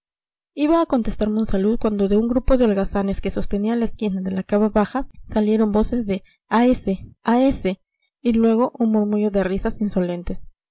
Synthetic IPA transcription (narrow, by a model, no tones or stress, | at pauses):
iβaːko̞nt̪e̞st̪aɾmo̞nsalut̪̚kwand̪o̞ðe̞uŋɡɾupoðeolɣasane̞ske̞so̞st̪e̞nialaeskinaðe̞lakaβaβaxasalje̞ɾo̞mbo̞se̞zðe̞ | aeseaese̞ | ilwe̞ɣ̞o̞ʔunmuɾmuʝo̞ðe̞risasinso̞le̞nt̪e̞s